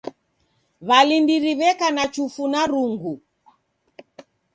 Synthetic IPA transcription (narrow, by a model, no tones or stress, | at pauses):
βalindiɾiβɛkanat͡ʃufunaɾuŋɡu